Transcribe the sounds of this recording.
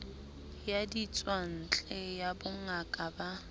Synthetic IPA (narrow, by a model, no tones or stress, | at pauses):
jadit͡sʼwan̩t͡ɬʼɛjabʊŋakʼaba